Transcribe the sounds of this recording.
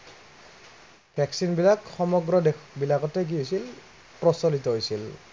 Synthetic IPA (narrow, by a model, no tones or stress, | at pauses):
pʰɛksinbilakxɔmɔɡɹɔdebilakɔtɛk̬iojsil | pɹɔsɔlitɔɦojsil